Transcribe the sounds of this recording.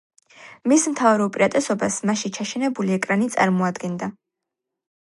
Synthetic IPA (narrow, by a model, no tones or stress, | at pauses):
mismt̪ʰavɾɛupʼiɾat̪ʼɛsɔbasmaʃint͡ʃʰaʃɛnɛbuliɛkʼɾanit̪sʼaɾmɔad̪ɡɛnd̪a